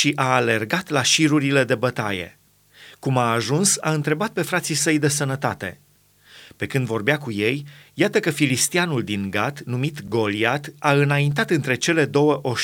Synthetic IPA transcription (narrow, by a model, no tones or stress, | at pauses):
ʃiʔaːle̞rɡat̪laʃiɾuɾile̞d̪e̞bət̪a̰jḛ | kumaːʒunsa̰ɨnt̪ɾe̞bat̪̚pe̞fɾat̪sisəjd̪e̞sənət̪at̪e̞̰ | pe̞kɨnd̪vo̞rbeakuje̞jːat̪əkəfilist̪ianuld̪iŋɡat̪numit̪ɡo̞liat̪aɨnaint̪̬at̪ɨnt̪ɾe̞t͡ʃe̞le̞d̪o̞wəʔo̞ʃ